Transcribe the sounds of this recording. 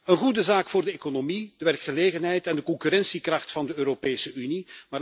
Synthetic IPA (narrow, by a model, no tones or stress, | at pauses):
ənɣudəzaːkfʊːrdəekonomid̥əʋɛrkχəleːɣənɦɛjtɛndəkɔŋkyɾɛnsikrɑχtfɑndəøːɾopeːsəynimaː